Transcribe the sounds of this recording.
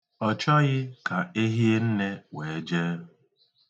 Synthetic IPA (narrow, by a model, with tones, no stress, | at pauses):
ɔ˨t͡ʃɔ˦ɣɪ˦ka˨e˦ɦi˦e˦n̩˦ne˦weː˨d͡ʒeː˦